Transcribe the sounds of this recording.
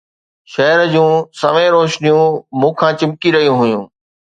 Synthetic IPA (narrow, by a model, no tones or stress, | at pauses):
ʃɐɦɾəd͡ʑũːsɐʋẽɾoːʃnijũmũːkʰãːt͡ɕɪmkiɾɐɦijũɦʊjṵ̃ː